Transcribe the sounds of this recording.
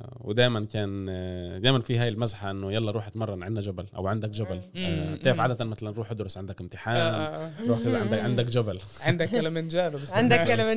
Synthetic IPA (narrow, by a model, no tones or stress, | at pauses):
wɪ̰d̪aːjmankaːnd̪aːjmanfiːɦaːjɪlmazħaʔɪnːʊjɑlːɑɾuːħat̪mɑrˤːɑnʕɪnːad͡ʒabalʔa̰wʕand̪akd͡ʒabalanaːfʕaːd̪æt̪anmaθalanɾuːħʔad̪ʊɾʊsʕɪnd̪akɪmt̪ɪħaːnɾˤuːħkazʕɪnd̪aʕɪnd̪akd͡ʒabalʕɪnd̪akːalamɪnd͡ʒaːbbɪsʕɪnd̪aalam